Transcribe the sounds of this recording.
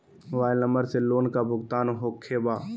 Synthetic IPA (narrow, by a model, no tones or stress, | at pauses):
ʋaːɪlnə̃mbəɾseloːnkabʱʊɡt̪aːnɦoːkʰebaː